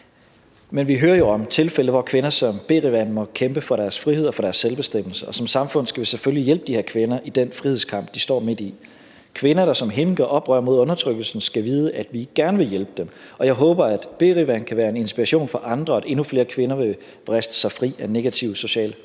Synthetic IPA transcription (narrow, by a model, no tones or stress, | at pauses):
menʋiɦøːɐjo̝ɒ̽mt͡sʰe̝lfeləʋɒkʰʋe̝nɐsɒ̽mb̥e̝̰ːʁiʋænmɒ̽kʰemb̥əfɒ̽ɾæɐsfʁihe̝ð̞̰ˠɒfɒ̽ɾ̥æɐsːelb̥e̝sd̥em̰l̩səʔɒ̽sɒ̽msɑ̈mfɔ̽n̰sɡ̥æʋe̝seføllijelb̥əd̥ihæɐkʰʋe̝nɐʔid̥enfʁihe̝ð̞ˠskʰɑ̈m̰b̥̚d̥isd̥ɒ̰ːme̝d̥i | kʰʋe̝nɐɾ̥ɑ̈sɒ̽mɦe̝nɡ̥ɐʔɒ̽b̥ʁœ̰ɐmo̝ð̰ˠɔ̽nɐt͡sʰʁœɡ̥l̩sn̩sɡ̥æʋiːð̞ˠəʔæd̥ʋiɡ̥æɐnəʋe̝jelb̥əd̥em | ɒ̽jɑ̈ɪɦɔ̽ːb̥ɐæd̥b̥e̝̰ːʁiʋænkʰæʋæːɐe̝ne̝nsb̥iʁɑ̈ɕo̝̰ːnfɒ̽ʔɑ̈nd̥ʁɐæde̝nufle̝ːɐkʰʋe̝nɐʋe̝ | ʋ̥ʁɛsd̥ə̥sɑ̈ɪfʁḭːæne̝ɡ̥æt͡sʰiʊso̝ɕɛ̰ːl